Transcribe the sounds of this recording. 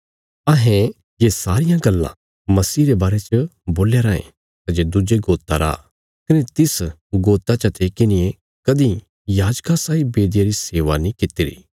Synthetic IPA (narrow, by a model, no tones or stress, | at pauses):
ɐɦẽ | jesaːɾɪjãɡɐlːã̰ | mɐsiːɾebaːɾet͡ʃəboːljaɾaːḛ̃ | t̪ɐd͡ʒed̪ʊd͡ʒeɡoːt̪ːaɾa̰ː | kɐnet̪ɪs | ɡoːt̪ːat͡ʃɐt̪eːkɪnɪjẽ | kɐd̪ĩ | jaːd͡ʒkasaːibeːd̪ɪjaɾiseːʋanĩkɪt̪ɪɾḭː